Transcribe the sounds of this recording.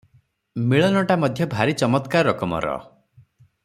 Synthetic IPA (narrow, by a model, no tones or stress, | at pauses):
miɭɔnɔʈamɔd̪ʱjɔbʱaɾit͡ʃɔmɔt̪kaɾɔɾɔkɔmɔ̰ɾɔ̰